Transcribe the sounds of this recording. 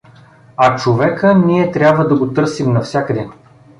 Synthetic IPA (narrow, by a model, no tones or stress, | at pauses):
ɐt͡ʃovɛkəniɛt̪ɾʲabvəd̪ɐɡot̪ɤɾsimnɐfsʲakəd̪ɛ